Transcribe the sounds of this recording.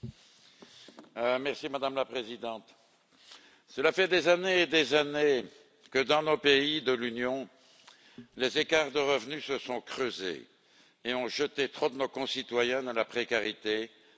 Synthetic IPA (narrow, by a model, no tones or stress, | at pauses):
mɛʁsimad̪amlapχezid̪ɑ̃t̪ | səlafɛd̪ezaneːd̪ezane | kəd̪ɑ̃nopeid̪əlynjɔ̃ | lezekaʁd̪əʁəvnysəsɔ̃kχøzḛː | ɔ̃ʒət̪et̪χod̪ənokɔ̃sit̪wajɛ̃d̪əlapχekaʁit̪e